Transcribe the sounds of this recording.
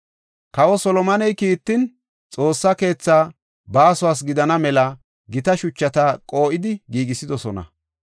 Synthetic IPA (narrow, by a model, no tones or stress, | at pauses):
kɐwɔsɔlɔmɐnɛjkiːt̪ːɪn | t͡sʼo̞ːsːɐke̞ːt͡sːaː | baːsʊwaːs̬ɡɪd̪ɐnɐmɛlɐ | ɡɪt̪ɐʃʊt͡ʃːɐt̪akʼo̞ːʔɪd̪ɪɡiːɡɪsɪd̪ɔsɔnɐ̰